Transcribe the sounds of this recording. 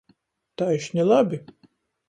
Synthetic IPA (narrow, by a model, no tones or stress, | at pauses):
t̪ajʃnʲɛlˠabʲi